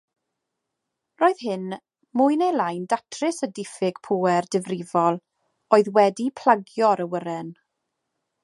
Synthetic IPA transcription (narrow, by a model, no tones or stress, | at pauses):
roːɨð̥ɦɪn | mʊjnejlˠajndatʰrɪsədɪfɪɡ̥pʰuːɛrdɪvrɪvɔlˠ | oɨðwɛdipʰl̥ˠaɡjɔɾəwəɾɛn